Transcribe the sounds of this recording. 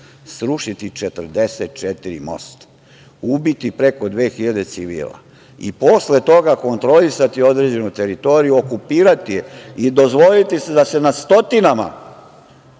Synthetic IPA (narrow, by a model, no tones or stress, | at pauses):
sɾuʃit̪it͡ʃet̪ər̩d̪eset̪̚t͡ʃet̪iɾḭmo̞̰st̪ḁ | ubit̪ipɾe̞ko̞d̪ʋe̞ːxiʎad̪e̞t̪siʋḭːlˠa̰ | ḭpo̞sle̞t̪o̞ɡako̞nt̪ɾo̞lisat̪io̞d̪ɾe̞d͡ʑe̞nut̪e̞ɾit̪o̞ːɾijuo̞kupiːɾat̪ijeid̪o̞zʋo̞lit̪ise̞d̪ase̞nast̪o̞t̪inama̰